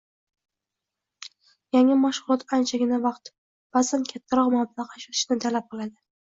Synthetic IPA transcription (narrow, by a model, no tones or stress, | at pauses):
jaŋɪmaʃʁʊlˠɒt̪ant͡ʃʰaɡʲɪnavɑqt̪ | b̥azankʲʰat̪ʰːaɾɒqmablaqaʃot̪ʰɪ̥ʃnɪt̪ʰalap̚qʰɨlˠad̪ɪ